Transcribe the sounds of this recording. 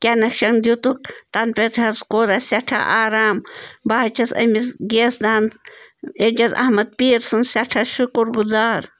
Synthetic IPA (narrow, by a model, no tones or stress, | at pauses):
kʲanɐkʃɐŋnd̪jut̪uk̚t̪ɐnpet̪ʰhɐskoːɾɐsaʈʰa̰ʔaːɾaːmbahɐt͡ʃʰɐsɐ̰misɡesd̪aːn | ed͡ʒɐzɐ̰hmɐd̪̚piːɾsɨnsɐʈʰaʃukuɾɡuzaːɾ